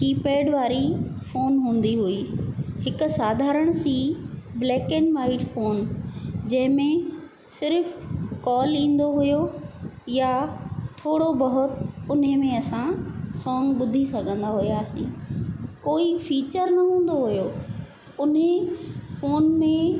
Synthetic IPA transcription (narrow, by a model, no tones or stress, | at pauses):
kiːpeːɽʋaːɾifoːnɦũːn̆d̪iɦuiːɦɪkʊ̆saːd̪ʱaːɾəɽ̃siːblɛːkenʋaːɪʈfoːnd͡ʑɐ̃ɦɪ̃mẽ | sɪɾfkɔːlĩːn̆d̪oɦʊjojat̪ʰoːɽobɐɦʊt̪ʊnemẽɐsãsɔ̃ːŋɡɓʊd̪ʱisɐɡʱə̃nd̪aɦʊjaːsḭ̃ːkoːifiːt͡ɕəɾnɐɦũːn̆d̪oɦʊjoː | ʊnefoːnmẽ